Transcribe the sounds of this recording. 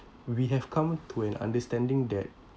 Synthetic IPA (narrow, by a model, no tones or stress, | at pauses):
wiɦɛv̥kʰãmtʰuɛ̃nã̰ndəstɛ̃ndɪ̃ŋdɛt̚